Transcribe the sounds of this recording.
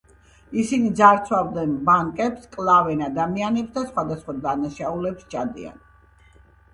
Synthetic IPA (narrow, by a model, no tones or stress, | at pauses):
isinid̪zaɾt̪sʰwavd̪ɛnbaŋkʼɛpskʼlˠavɛnad̪amianɛpsd̪asχwad̪asχwad̪anaʃaulɛpst͡ʃʰad̪ḭa̰n